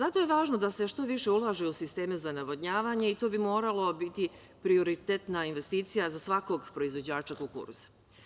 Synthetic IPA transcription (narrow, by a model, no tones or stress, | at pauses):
zat̪o̞je̞ʋaːʒno̞d̪ase̞ʃt̪o̞ʋiʃe̞ulˠaːʒeusist̪e̞ːmezanaʋo̞d̪ɲaːʋaːɲe̞it̪o̞ːbimo̞ːɾalˠo̞bit̪i | pɾio̞ɾit̪et̪nainʋe̞st̪iːt̪sijazasʋako̞ɡpɾo̞izʋo̞d͡ʑaːt͡ʃakokṵɾsḁ